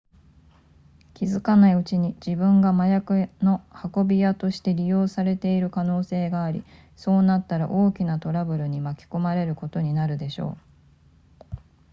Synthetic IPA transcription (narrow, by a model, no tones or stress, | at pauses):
kʲizɨkanaiɯ̟t͡ɕiɲ̟id͡ʑibɯ̟̃ŋɡamajakɯ̟no̞hako̞bʲijat̪o̞ɕi̥t̪e̞ɾʲijo̞ːsaɾe̞t̪e̞iɾɯ̟kano̞ːse̞ːɡaːɾʲḭ | so̞ːnat̪ːaɾaʔo̞ːkʲinat̪o̞ɾabɯ̟ɾɯ̟ɲ̟imakʲi̥ko̞maɾe̞ɾɯ̟ko̞t̪o̞ɲ̟inaɾɯ̟d̪e̞ɕo̞̰ː